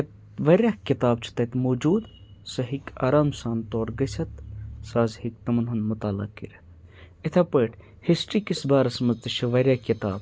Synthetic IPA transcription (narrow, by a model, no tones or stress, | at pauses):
ɐt̪ | ʋɐɾʲaːhkit̪aːb̚t͡ʃʰi̥t̪ɐt̪moːd͡ʒuːd̪sɐɦika̰ːɾaːmsaːnt̪oːɾɡɐsʲɐt̪saːzhik̚t̪ɐmɐnɦɐnmut̪aːlɐ̰kːḭɾɐ | et̪ʰɐpəːʈʰ | hisʈɾiːkisbaːɾɐsmɐzt̪ɐʃʰɐʋɐɾʲjaːkit̪a̰ːb